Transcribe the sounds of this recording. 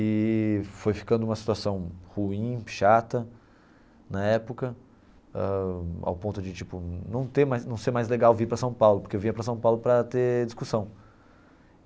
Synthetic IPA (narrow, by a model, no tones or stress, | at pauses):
ɪfojfi̥kɐ̃nd̪ʊũmɐsi̥t̪uasɐ̃w̃huĩʃat̪ɐ | nɐɛpʊkɐ | ɛa̰wpõnt̪ʊd͡ʒɪt͡ʃipʊnɐ̃w̃t̪eɾmajznɐ̃w̃seɾmajzleɡawviɾpɾɐsɐ̃w̃pawlʊpoɾkewvĩɲɐpɾɐs̬ɐ̃w̃pawlʊpɾɐt̪ed͡ʒiskusɐ̃w̃